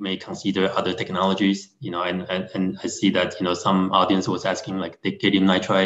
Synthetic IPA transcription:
meɪkʰə̃nsidə˞ʔʌðə˞tʰɛknɑlˠəd͡ʒiz̥jɨnoʊɨ̃nɨ̃nɨ̃naɪsiðɨt̚ʰjɨnoʊsʌ̃mɔɾiɨ̃nswʌzæskɪ̃ŋlaɪk̚ðeɪɡ̥ɛt̚hɪ̃mnaɪtʰɹaɪ

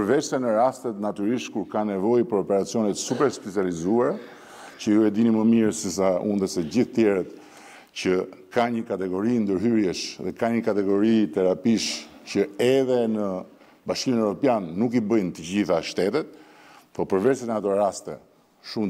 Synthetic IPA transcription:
pəɾvɛsɛnəɾast̪ɛt̪nat̪yɾiʃt̪kuɾkanɛvɔjpəɾɔpɛɾat͡sijɔnɛt̪supɛɾspɛt͡sializuaɾɛ | cəuɛd̪iniməmiɾsisaund̪əsɛɟiθt̪jɛɾət̪ | cəkaɲəkat̪ɛɡɔɾind̪əɾɦyɾjɛʃðɛkaɲəkat̪ɛɡɔɾit̪ɛɾapiʃcəɛðɛnə | baʃkiminɛvɾɔpjanːuk̬ibəjnt̪əɟiθaʃt̪ɛt̪ɛt̪̚ | pɔpəɾvɛsɛnat̪ɔɾast̪ɛ̰ | ʃum

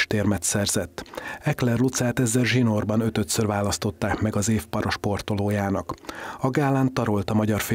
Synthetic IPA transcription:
ʃt̪eːrmɛt̪sɛrzɛt̪ːɛklɛrlut̪saːt̪ɛzːɛrʒino̞rbɒnø̞t̪øt̪sørvaːlɒst̪o̞t̪ːaːkmɛɡɒzeːfpɒɾoʃpo̞rt̪oloːjaːnɒkɒɡaːlːaːnt̪ɒɾolt̪ɒmɒɟɒrfeː

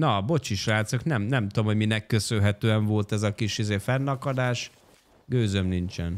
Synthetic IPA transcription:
nɒbo̞t͡ʃiʃraːt̪soknɛmnɛmt̪ud̪omho̞ɟminɛkːøsølɦɛt̪øːɛɱvo̞lt̪ɛzɒkiʃizeːfɛnːɒkɒd̪aːʃ | ɡøːzømnint͡ʃɛn

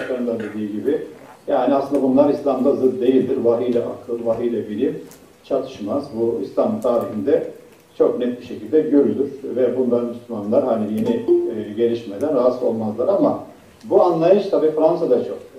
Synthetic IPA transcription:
ʃlaɾɯmd̪ad̪e̞d̪iːɟibɪjaːniaslɯnd̪abunlˠaɾislʲamd̪azɯd̪̚d̪ːe̞jilʲd̪iɾvaɦɯjlʲɛʔa̰kʰlˠɯnvaɦɯjlʲɛbiɾi | t͡ʃʰat̪ʰɯ̥ʃmazbuislʲamt̪ʰaːɾihind̪ɛ | t͡ʃʰo̞knɛt̪̚biʃe̞cilʲd̪ɛɟø̞ɾylʲyɾ̥vɛbund̪anmyslʲymanlˠaɾɦanije̞niɟe̞lʲiʃmed̪ænazo̞̰lˠmazlˠaɾama | buanlˠajɯʃt̪ʰabiːfɾans̬ad̪at͡ʃʰo̞k̚

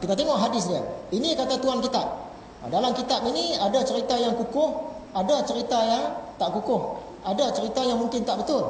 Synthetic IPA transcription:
k̪it̪at̪eŋɔʔɦadɪs̬dia̰inikat̪at̪uankit̪ap̚ | dalamkit̪apiniadat͡ʃəɾit̪ajaŋkukʊhadat͡ʃəɾit̪ajaŋt̪aʔkukʊh | adat͡ʃəɾit̪ajaŋmuŋkɪnt̪aʔbət̪ʊl

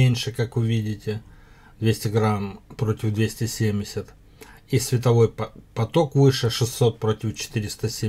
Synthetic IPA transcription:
enʲʂɨkakvʊvʲidʲɪtʲɪ | d̪vʲesʲtʲɪɡɾampɾo̞tʲɪvd̪vʲesʲtʲɪsʲemʲdʲɪsʲət̪ | isʲvʲɪt̪ɐvo̞jpɐt̪o̞kvɨʂɨʂɨsʲːo̞t̪̚pɾo̞tʲɪft͡ɕɪ̥t̪ɨɾʲɪst̪əsʲe

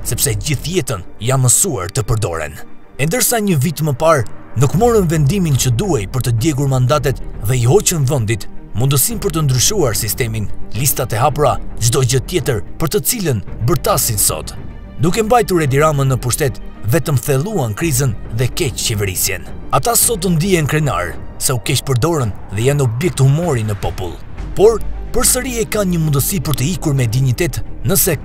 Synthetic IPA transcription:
sɛpsɛd͡ʑiθjɛt̪ənjanməsua̰ɾt̪əpəɾd̪ɔ̰ɾɛ̰n | ɛnd̪əɾsaɲəvit̪məpaɾnukmɔɾəmvɛnd̪imint͡ɕəd̪uɛjpəɾt̪əd̪jɛɡuɾmand̪at̪̬ɛt̪ðɛiɦɔt͡ɕənvənd̪it̪mund̪əsinpəɾt̪ənd̪ɾyʃuaɾsist̪ɛminlist̪at̪ɛɦapɾad͡ʒd̪ɔd͡ʑət̪jɛt̪əɾpəɾt̪ət͡silənbəɾt̪asinsɔ̰t̪ | d̪ukɛmbajt̪uɾɛd̪iɾamənːəpuʃt̪ɛt̪vɛt̪əmθɛlˠuankɾizənðɛkɛct͡ɕɛvɛɾisjɛ̰nat̪asɔt̪̬ənd̪iɛnkɾɛna̰ɾsɛukɛpəɾd̪ɔɾənðɛjanɔbjɛk̚t̪humɔɾinəpɔpṵlˠ | pɔɾpəɾsəɾiakanɲəmund̪əsipəɾt̪əikuɾmɛd̪iɲit̪ɛt̪nəsɛ

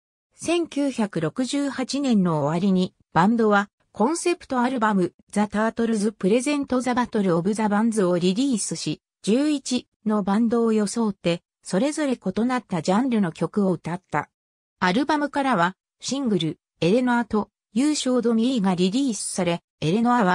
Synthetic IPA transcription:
sẽ̞ŋkʲɨːçakɯ̟ɾo̞kɯ̟ʑɨːhat͡ɕinẽ̞nːo̞ːβaɾʲiɲ̟i | b̥ãnd̪o̞βa | kʰõ̞ɰ̃se̞pɯ̥t̪o̞aɾɯ̟bamɯ̟ | zat̪aːt̪o̞ɾɯzɨpɯ̟ɾe̞zẽ̞nt̪o̞zabat̪o̞ɾɯ̟o̞bɯ̟zabãnd͡zɨo̞ɾʲiɾʲiːsɨɕi | d͡ʑɨːit͡ɕi | no̞bãnd̪o̞ːjo̞so̞ːt̪ːe̞ | so̞ɾe̞zo̞ɾe̞ko̞t̪o̞nat̪ːad͡ʑãnɾɯ̟no̞kʲo̞kɯ̟o̞ɯ̟t̪at̪ːa̰ | aɾɯ̟bamɯ̟kaɾaβa | ɕĩŋɡɯ̟ɾɯ̟ | e̞ɾe̞noat̪o̞ | jɯːɕo̞ːd̪o̞mʲiɡaɾʲiɾʲiːsɨ̥saɾe̞ | eɾe̞no̞aβ̞a

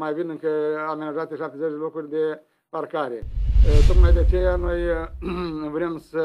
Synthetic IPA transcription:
majvinɨŋkəamenaʒat̪ʲːjeʃapt̪ezet͡ʃʲd̪elo̞kɾurʲd̪e̞ | parkaɾe̞t̪o̞t̪majd̪eat͡ʃe̞jano̞j | vɾe̞msə

